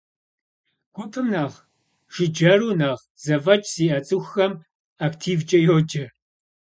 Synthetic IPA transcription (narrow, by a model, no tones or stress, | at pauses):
ɡ̥ʷʊtʰʼɨmnaːʁ | ʒ̥ɪd͡ʒɐruːnaːʁ | z̥ɐvɐt͡ʃʼz̥iːʔɐt͡sʼɨxːɐm | aktʰiːvd͡ʒʼɐjoːd͡ʒʼɐ